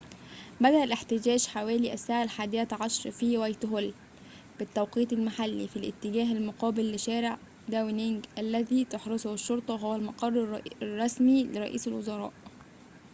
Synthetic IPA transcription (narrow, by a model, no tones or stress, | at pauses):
bæd̪æʔælʔɪħt̪ɪd͡ʒæːʒħawæːliːʔæsːaːʕalħaːd̪ɪjæt̪ʕɑʃɾˤfiːwæjt̪ɦʊl | b̥ɪt̪ːæwqiːt̪ˤɪlmaħalːḭfilʔɪ̰t̪ːɪɡæːɦɪlmʊqɑːbɪlːɪʃæːɾɪʕ | d̪æwnɪŋɡʔælːæðiːt̪oħɾesʊhɪʃːoɾˤt̪ˤɑɦowælmɑqɑrˤːrˤːɑsmilɪɾˤɑ̰ʔḭːsɪlwo̰zɑɾˤɑ̰ːʔ